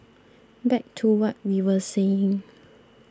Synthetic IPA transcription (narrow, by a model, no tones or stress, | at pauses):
bɛk̚tʰuwɔt̚wiwəseɪ̃ŋ